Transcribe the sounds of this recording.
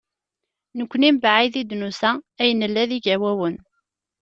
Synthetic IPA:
nəkʷːnimbaʕiðid̪nusææjənəlːæðiɡəwæwən

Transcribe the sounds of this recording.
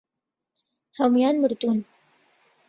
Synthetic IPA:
hawmjaːnmɨɾd̪uːn

